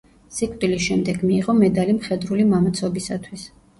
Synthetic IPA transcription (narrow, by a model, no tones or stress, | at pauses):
sikʼt̪ʼilisʃɛmd̪ɛɡmiːʁɔmɛd̪alimχɛd̪ɾulimamat̪sʰɔbisat̪ʰwis